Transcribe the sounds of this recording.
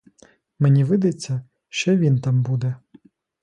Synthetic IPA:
menʲiʋɪd̪et͡sʲːɐ | ʃt͡ʃɔʋʲint̪ɑmbud̪ɛ

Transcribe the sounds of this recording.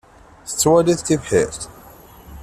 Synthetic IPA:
θə̥t͡sːwæliθt̪ːivħḭɾθ

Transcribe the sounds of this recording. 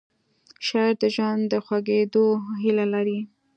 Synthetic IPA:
ʃɑjɾd̪əʒwand̪d̪əxwaɡed̪oɦilalaɾi

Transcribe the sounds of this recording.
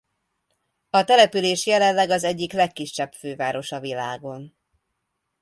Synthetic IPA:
ɒt̪ɛlɛpyleːʃjɛlɛnlɛɡɒzɛɟːiklɛkːiʃːɛbføːvaːɾo̞ʃɒvilaːɡo̞n

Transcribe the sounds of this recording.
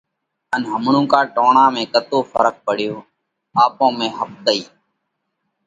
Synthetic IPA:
ənɦəmɳũːkaːʈoːɳãːmẽːkət̪oːfʰəɾək̚pəɽ̤ɪjoː | aːpõːmẽːɦəp̚d̪əiː

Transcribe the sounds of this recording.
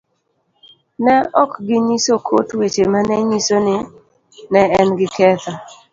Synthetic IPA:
nɛɔkɡɪɲisokʰotwet͡ʃemanɛɲisonɪ | nɛɛnɡɪkɛt̪a

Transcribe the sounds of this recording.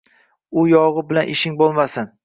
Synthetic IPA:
ʊjɒʁɨbɪlanʔɪʃɪŋbolˠmasɪn

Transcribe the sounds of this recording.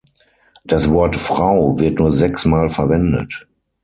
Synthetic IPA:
d̥asv̥ɔɐtfʁ̥aʊvɪɐtnuːɐzɛksmaːlfɛɐvɛndə̰t

